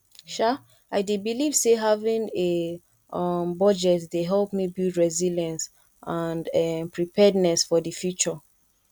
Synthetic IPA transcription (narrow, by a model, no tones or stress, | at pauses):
ʃa | aɪdebiliv̥seɦavĩne | mbɔd͡ʒɛtdeɦɛlˠpmibilˠdɹɛziljãns | ʔãndmpɹipʰɛdnɛsfɔdəfjut͡ʃɔ